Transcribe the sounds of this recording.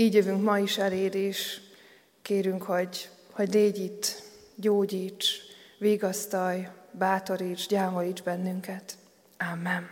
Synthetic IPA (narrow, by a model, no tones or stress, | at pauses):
iːɟjøvyŋkmɒiʃɛleːd̪eːʃ | keːɾyŋkho̞ɟ | ho̞ɟneːɟit̪ | ɟoːɟiːt͡ʃʋiːɡɒst̪ɒjbaːt̪o̞ɾiːt͡ʃɟaːmojiːd͡ʒbɛnːyŋkɛt̪ | amːɛn